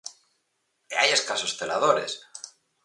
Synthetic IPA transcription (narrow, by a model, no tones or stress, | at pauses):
eajeskasosθelaðoɾḛs